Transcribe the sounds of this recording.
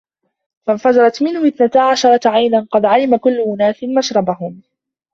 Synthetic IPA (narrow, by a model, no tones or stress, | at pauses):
fanfad͡ʒɑɾɑt̪mɪnhʊʔɪθnat̪aʕaʃɑɾˤɑʕajnanqɑd̪ʕalɪmakʊlːmʊnaːsɪnmaʃɾˤɑbahʊm